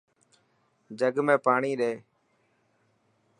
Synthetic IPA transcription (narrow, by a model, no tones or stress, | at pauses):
d͡ʒəɡmẽːpaːɳiːɗeː